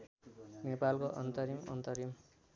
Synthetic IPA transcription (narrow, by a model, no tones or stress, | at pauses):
nepalkoʔʌnt̪ʌɾimʌnt̪ʌɾim